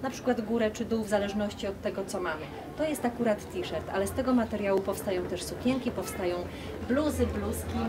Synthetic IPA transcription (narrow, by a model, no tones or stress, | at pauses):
napʂɘ̥kwad̪ɡuɾɛt͡ʂɘd̪uwvzalɛʐnɔɕt͡ɕiɔt̪ːɛɡɔt̪sɔmamɘ | t̪ɔjɛst̪akuɾat̪ːʲiʂɛɾt̪a̰lɛst̪ɛɡɔmat̪ɛɾʲjawupɔfst̪ajɔ̃w̃t̪ɛʂsupʲɛŋkʲipɔfst̪ajɔ̃w̃ | bluzɘbluskʲi